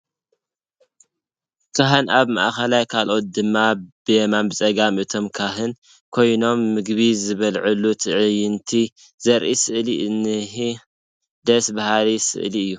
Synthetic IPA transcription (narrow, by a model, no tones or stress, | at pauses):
t̪ʰaɦɐnaβma̰ʔxɐlajkʰalʔo̞t̪̚d̪ɨmːabɨmambɨt͡sʼɐɡamit̪ʰo̞mkʰaɦɨn | kʰo̞jno̞mːɨɡbizɨβɐlʕɨlːut̪ʰɨʕɨjɨnt̪ʰi | z̥ɐɾʔisɨʔlinɨɦi | d̪ɐsbahalisɨ̰ʔliɨjːu